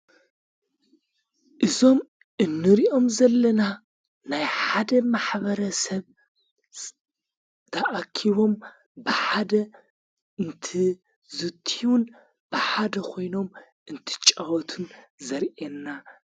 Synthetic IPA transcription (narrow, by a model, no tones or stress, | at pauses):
ʔɨzo̞m | ʔɨnːɨɾiʔo̞mzɐlːɐna | najħad̪ɐmaħβɐɾɐsɐβ | t̪ʰɐʔakʰiβo̞m | bɨħad̪ɐ | ɨnt̪ʰi | zɨt̪ʰiwun | b̥ɨħad̪ɐkʰo̞jno̞m | ʔɨnt̪ʰɨ̥t͡ʃʼɐwɔt̪ʰunzɐɾʔenːa